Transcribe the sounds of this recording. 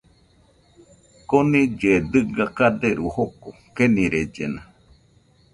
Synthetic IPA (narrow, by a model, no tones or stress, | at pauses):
konid͡ʒed̪ɨɡakad̪eɾuhoko | kenĩɾed͡ʒena